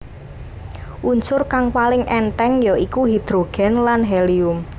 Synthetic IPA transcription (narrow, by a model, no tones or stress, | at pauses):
ʔunt͡ʃʊrkaŋpalɪŋʔɛnʈɛŋjɔikuɦid̪̥ɾoɡ̥ɛ̤nlanɦɛliʊm